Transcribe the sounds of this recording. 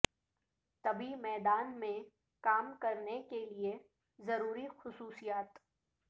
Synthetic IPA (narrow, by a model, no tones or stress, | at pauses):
t̪ɐbʱimɛːd̪aːnmẽ | kaːmkɐɾnekelie | zɐɾuːɾixʊsuːsijaːt̪